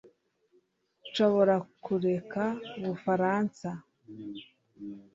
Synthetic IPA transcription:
ʃo̞βo̞ɾakuɾe̞kauβufaɾaːnsa

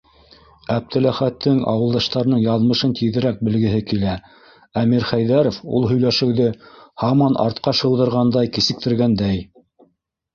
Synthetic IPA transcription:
æp̚t̪ɘ̆læχæt̪ʰːɘŋɑ̰wɤ̆lˠd̪ɑʃt̪ɑɾɤ̆nɤɴjɑðmɤ̆ʃɤnt̪ʰiðɘ̆ɾæk̚bɘ̆lɡɘ̆ɦɘkilæ | æmiɾχæjðæɾŏfṵlˠɦɵ̆jlæʃɘ̆wðɘhɑmɑnʔɑ̰ɾt̪̚qɑʃɤ̆wðɤ̆ɾʁɑnd̪ɑjkĭsɘ̆k̚t̪ɘ̆ɾɡænd̪æj

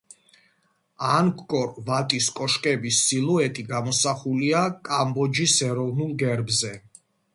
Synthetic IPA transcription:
ankʰkʼɔɾvat̪ʼiskʼɔʃkʼɛbisːilˠuɛt̪ʼiɡamɔsaχuliakʼambɔd͡ʒisɛɾɔvnulˠɡɛɾbzɛ

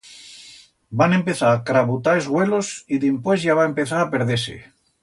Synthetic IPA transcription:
bane̞mpeθaɾakɾaβut̪aezɣwelosiðimpwezʝaβ̞aempe̞θaɾapeɾð̞esḛ

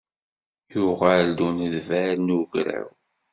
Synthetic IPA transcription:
jʊʁald̪unəðvæɾnuʝɾæ̰w

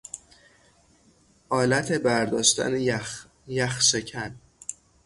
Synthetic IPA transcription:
ʔɒːlæt̪ʰe̞bæɾd̪ɒːʃt̪æ̰ne | jæxʃecʰæn

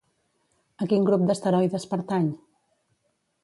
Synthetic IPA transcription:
əkiŋɡɾup̚d̪əst̪əɾɔjðəspəɾt̪aɲ

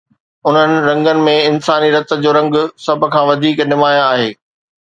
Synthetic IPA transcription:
ʊn̤ənɪ̆ɾɐ̃ŋɡənɪ̆mẽɪnsaːniɾɐt̪ə̆d͡ʑoːɾɐ̃ŋɡsɐbʱʊ̆kʰãːʋɐd̪ʱiːknɪmaːjaːɦeː

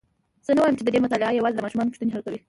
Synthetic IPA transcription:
z̥ənawɑjəmt͡ʃed̪əd̪emʊt̪ɑlɪajawɑzɪd̪əmɑʃumɑnopʊ̥ʃt̪uneɦalkawi

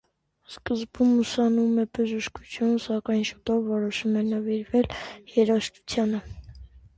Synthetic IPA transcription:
skəzbumːusɑnumɛbəʒəʃku̥t͡sʰjunsɑkɑjnʃut̪ɔvːɔɾɔʃumɛnəviɾvɛljɛɾɑʃt̪u̥t͡sʰjɑnə

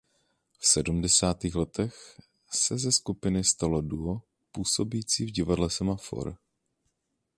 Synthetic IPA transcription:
fsɛdumdɛsaːt̪iːxlɛt̪ʰɛx | sɛzɛskupɪnɪst̪alo̞duo | puːso̞biːt͡siːvɟɪvadlɛsɛmafo̰ɾ

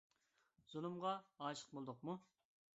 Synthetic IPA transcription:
z̥ulˠumʁɑɑːʃə̥q̚bolˠd̪ʊqmu

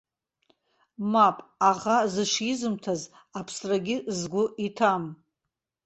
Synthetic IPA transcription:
mapʼaʁazɨʂizɨmtʰaz | apʰsraɡʲɪzɡʷʊʔitʰam

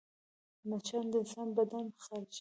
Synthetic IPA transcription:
mat͡ʃʰand̪əɪnsɑnbad̪anxalt͡ʃ

